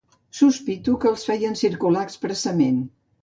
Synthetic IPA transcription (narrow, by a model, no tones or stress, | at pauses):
suspit̪ukəːlˠsfɛjənsiɾkulaəkspɾəsəmen